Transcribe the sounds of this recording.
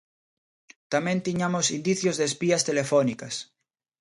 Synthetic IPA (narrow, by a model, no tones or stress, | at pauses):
t̪amẽnt̪iɲamosind̪iθjozðespiast̪elefonikas